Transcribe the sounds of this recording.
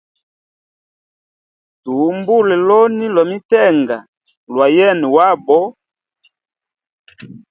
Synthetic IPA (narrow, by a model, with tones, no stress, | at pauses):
tu˨mbu˦lɛ˨lɔ˦ni˦lwa˨mi˦tɛ˦ŋɡa˨ | lwa˨jɛ˦nɛ˨wa˦bɔ˦